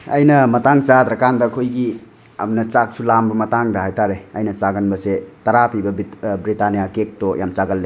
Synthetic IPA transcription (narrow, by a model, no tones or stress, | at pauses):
ɐjnɐmɐtaŋt͡ʃad̪ɾɐkandɐkʰojɡi | ɐ̰mnɐt͡ʃak̚sulambɐmɐtaŋdɐɦajtaɾeɐjnɐt͡ʃaɡɐnbɐsetɐɾapibɐbbɾitanijakek̚tɔja̰mt͡ʃaɡɐlːe